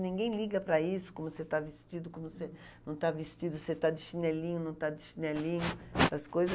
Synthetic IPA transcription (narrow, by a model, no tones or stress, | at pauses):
nĩŋɡẽj̃liɡɐpɾɐisʊ̥kõmʊset̪avist͡ʃid̪ʊkõmʊse | nɐ̃w̃t̪avist͡ʃid̪ʊset̪ad͡ʒɪʃinɛlĩɲʊnɐ̃w̃t̪ad͡ʒɪʃinɛlĩɲʊ̥ɐskojzɐ